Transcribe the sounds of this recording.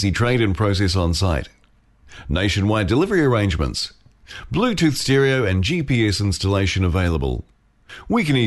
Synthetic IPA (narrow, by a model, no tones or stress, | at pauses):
sitʰɹ̥ẽɪɾɨ̃npʰɹ̥əʊs̬ɛs̬n̩saɪt | neɪʃɨ̃nwaɪdɨlɪvə˞iə˞ẽɪ̃nd͡ʒmə̰̃nts | b̥lʉtʰʉˑθstɛɹiəʊɨ̃nd͡ʒipiɛsɪ̃nstəleɪʃɨ̃nəveɪlˠəbə̰lˠ | wikɨ̃ni